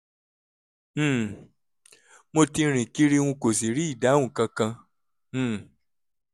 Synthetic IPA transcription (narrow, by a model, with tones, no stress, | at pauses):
mo˧ti˧ɾ̃ĩ˨ki˦ɾi˦˧wũ˧ko˨si˨ɾi˦i˦˨da˨˦wũ˦˨kã˧kã˧˨